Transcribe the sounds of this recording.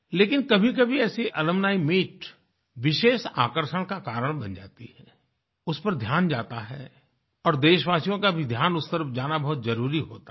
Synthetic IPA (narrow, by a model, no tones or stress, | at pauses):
leːkɪnkɐbʱik̬ɐbʱiɛːsiʔɐləmnaːimiːʈ | ʋɪʃeːʃaːkəɾʃəɽ̃kakaːɾəɽ̃bɐ̃nd͡ʒa̰ːt̪ihɛː | ʊspəɾd̪ʱjaːnd͡ʒaːt̪aɦɛ̰ | ɔːɾd̪eːʃʋaːsijõkabʱid̪ʱjaːnʊst̪əɾfd͡ʒaːnabɐɦʊt̪zɐɾuːɾiɦoːt̪a